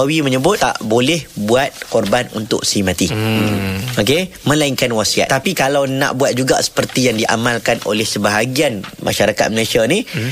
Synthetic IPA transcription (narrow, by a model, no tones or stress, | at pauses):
awimə̃ɲəbʊt̪̚t̪a̰ʔbolɛhbuat̪̚kɔrbanṵnt̪ʊ̰k̚simãt̪i | okemə̃laiŋkanwasia̰t̪t̪apikalawnã̰ʔbuat̪̚d͡ʒuɡa̰sə̥pərt̪ijaŋdiʔa̰mãlkano̰lɛhsəbaɦaɡianmʔa̰ʃaɾaka̰t̪̚məlasiani